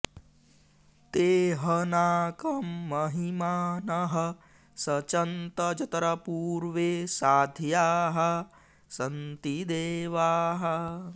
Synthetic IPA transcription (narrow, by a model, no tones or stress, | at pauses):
t̪eːɦɐnaːkɐmːɐɦimaːnɐɦɐ | sɐt͡ʃɐnt̪ɐd͡ʒɐt̪ɐɾɐpuːɾʋesaːd̪ʱjaːɦɐ | sɐnt̪id̪eːʋaːɦɐ